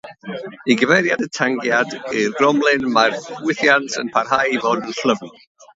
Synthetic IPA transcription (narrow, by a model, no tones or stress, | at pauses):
iɡəvɛɾjadətʰaŋɡjadirːɔmlˠɪnmarwɪθjantʰə̰npʰarhajivoːdənɬləvn̩